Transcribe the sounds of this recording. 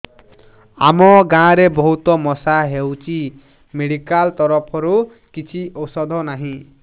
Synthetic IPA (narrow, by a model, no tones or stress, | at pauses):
a̰mɔɡãɾebɔɦut̪ɔmɔsaɦewt͡ʃʰi | meɽikalt̪ɔɾɔpʰɔɾu | kit͡ʃʰiɔsɔd̪ʱɔnaɦĩ